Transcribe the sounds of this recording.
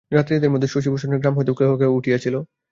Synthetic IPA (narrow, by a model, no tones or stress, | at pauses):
ɾat̪ɾid̪eɾmɔd̪ʱːeʃoʃ̬iboʃoneɾɡɾamɦojt̪eukɾebokeouʈʰijet͡ɕʰilo